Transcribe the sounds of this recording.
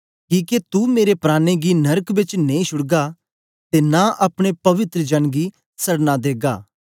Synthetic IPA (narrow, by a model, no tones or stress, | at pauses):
kiːket̪umeːɾepɾaːneɡinɐɾəkbɪt͡ʃneĩʃʊɽɡa | t̪enãʔaːpɽ̃epɐʋɪt̪ɾəd͡ʒɐnɡi | sɐɽnad̪eːɡa̰ː